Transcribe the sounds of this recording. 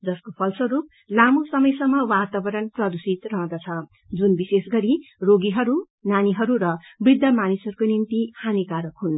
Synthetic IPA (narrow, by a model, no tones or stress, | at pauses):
d͡zʌskopʰʌlsʌɾup̚ | lamusʌmʌjsʌŋmːʌwat̪abʌɾʌnprʌd̪usit̪rʌɦʌ̃d̪ʌt͡sʰʌ | d͡zunbisesɡʌɾiroɡiɦʌɾu | naniɦʌɾuɾʌbrid̪ʱːʌmanisʌɾukonint̪ihanikaɾʌkɦun